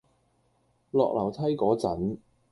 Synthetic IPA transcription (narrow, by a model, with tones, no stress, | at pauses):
lɔ̰ː˨k̚lɐ˨˩wt̪ʰɐ˥jkɔː˨˥t͡sɐ˨˥n